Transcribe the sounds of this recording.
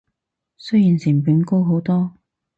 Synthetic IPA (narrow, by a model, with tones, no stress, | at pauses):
sɵ˥jiː˨˩nsiː˨˩pyː˨˥nko˥wɦo˨˥wt̪ɔː˥